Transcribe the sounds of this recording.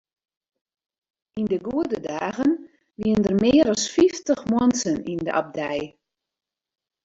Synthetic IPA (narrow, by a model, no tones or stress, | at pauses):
indəɡuədədaːɣən | ʋiəndərmɪəɾɔsfiftəxmwɔnsənində̰ʔa̰b̚dɛj